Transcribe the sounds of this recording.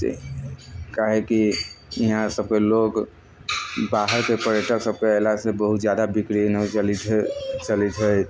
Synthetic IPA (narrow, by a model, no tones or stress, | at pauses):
kaɦekiiɦãsəb̚keloɡ | baɦəɾkepəɾjəʈəksəb̚keɛlasebəɦut̪d͡ʒjad̪abikɾinɔd͡ʒəlid̪ɦt͡ʃəlid̪ɦə